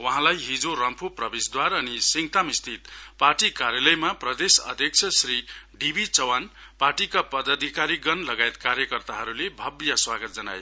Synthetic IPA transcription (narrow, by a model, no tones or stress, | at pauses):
wʌɦãlajɦid͡zoɾʌmpʰuprʌbesd̪waɾʌnisiŋt̪amist̪ʰit̪parʈikaɾjalʌjmaprʌd̪esʌ̰d̪ʱjʌk̚t͡sʰjʌsriɖibʱit͡sʌwanparʈikapʌd̪ʌd̪ʱikaɾiɡʌnlʌɡaet̪kaɾjʌkʌrt̪aɦʌɾulebʱʌbjaswaɡʌt̪̚d͡zʌna̰j